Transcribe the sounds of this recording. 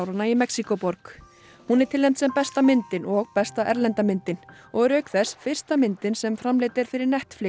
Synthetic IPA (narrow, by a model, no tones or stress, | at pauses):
wɾanaimɛksikɔpɔɾk | hunɛɾ̥t̪ʰɪlɛjmt̪sɛmpɛst̪amɪnt̪ɪnɔɣpɛst̪aʔɛɾlɛnt̪amɪnt̪ɪn | ɔɣɾœːɥkθɛsfɪr̥st̪amɪnt̪ɪnsɛmfɾamlejt̪ɪɾ̥fɪɾɪɾnɛht̪flɪ